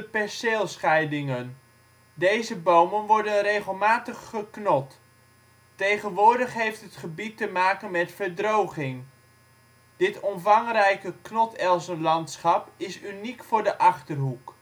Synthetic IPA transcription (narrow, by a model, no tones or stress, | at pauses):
əpɛseːlˠsχɛjdɪŋən | dejzəbowmənʋɔɹdənrejχəlˠmaːtəχːəknɔt | tejχənʋʊːɹdəχɦejftɦətχəbitːəmaːkənmɛtfəɹdrowχɪŋ | d̥ɪtɔmvɑŋrɛjkəknɔtɛlˠsəlɑntsχɑpɪsynikfʊːɹdəʔɑχtərɦuk